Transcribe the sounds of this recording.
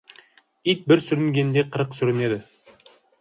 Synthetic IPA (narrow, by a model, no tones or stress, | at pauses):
it̪̚bɪɾsʏɾɪŋɡʲe̞nd̪eqʰəɾəqsʏɾɪne̞d̪ɪ